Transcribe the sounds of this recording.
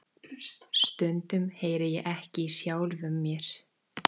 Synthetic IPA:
st̪ʏnt̪ʏmheːjɾɪjɛʔɛhcɪisjaːwlvʏmːjɛɾ̥

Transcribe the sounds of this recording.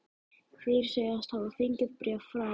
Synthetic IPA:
kʰvɪɾ̥seːjast̪havðʏθiɲcʏɾpɾɛvfɾaː

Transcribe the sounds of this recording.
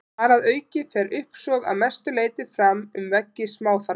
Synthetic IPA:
aɾaðœːɥcɪfɛːɾʔʏhpsɔːɣa̰ðmɛst̪ʏleːjt̪ɪfɾamʏmvɛcːɪsmaːwθaɾ

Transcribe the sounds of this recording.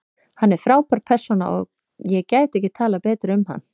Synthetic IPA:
hanːɛɾ̥fɾaːwpʰaɾ̥̚pʰɛr̥sɔna̰ʔɔ̰ɣ | jɛcaːjt̪ɛhcɪt̪ʰaːlapɛːt̪ɾʏmha̰nː

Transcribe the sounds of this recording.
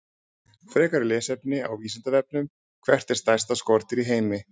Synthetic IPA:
fɾɛːkaɾɪlɛːsɛpnɪawviːsɪnt̪avɛp̚nʏm | kʰvɛr̥t̪ɛ̥st̪ajst̪askɔɾt̪ɪɾiɦeːjmɪ

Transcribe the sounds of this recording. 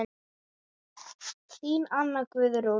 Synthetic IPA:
ɬiːnanːakvɪðɪɾo

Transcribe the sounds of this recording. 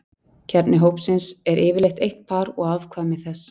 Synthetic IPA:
cʰɛɾt̪nɪɦowpsɪnsɛɾʔɪːvɪɾlejxt̪ejht̪̚pʰaːɾɔɣaːvkʰvaːmɪθɛs

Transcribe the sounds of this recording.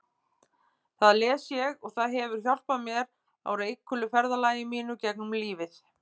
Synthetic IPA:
θaðlɛːsjɛɣɔɣθaðɦɛvʏɾ̥çjɔl̥pamjɛɾ | a̰wɾejkʰːʏlʏfɛɾðalaːjɪmiːnʏcɛk̚nʏmliːvɪθ

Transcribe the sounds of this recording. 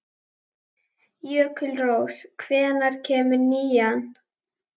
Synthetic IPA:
jœːkʰʏlrowskʰvɛːðnaɾ̥cʰɛːmʏɾniːjan

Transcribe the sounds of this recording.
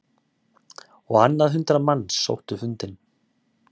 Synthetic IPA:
ɔɣanːaðɦʏnt̪ɾamanːsːo̰wht̪ʏfʏnt̪ɪn

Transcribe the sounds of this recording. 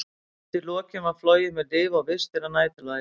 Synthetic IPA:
t̪ʰɪlɔːcɪmaðflɔːwjɪmɛðlɪːvawvɪ̥st̪ɪɾanaːjt̪ɪla

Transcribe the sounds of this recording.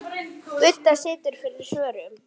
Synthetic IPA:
ʏt̪ːasɪːt̪ʏɾ̥fɪɾðɪsœːɾʏm

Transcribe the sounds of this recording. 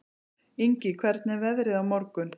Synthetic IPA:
iɲcɪkʰvɛɾt̪nɛvɛðɾɪðawmɔɾkʏn

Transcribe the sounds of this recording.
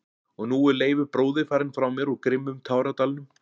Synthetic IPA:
ɔɣnuːɛɾleːjvʏpɾoːwðɪfaːɾɪnfɾawmɛɾɔɣkɾɪmːʏmt̪ʰaːwɾat̪alnʏm

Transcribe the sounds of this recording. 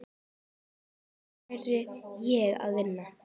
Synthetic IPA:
ɛɾɪjɛɣa̰ðvɪnːa

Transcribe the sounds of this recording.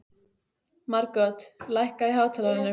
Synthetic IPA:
maɾkœt̪lajhkaðiɦaːwt̪ʰaːlaɪnːʏ

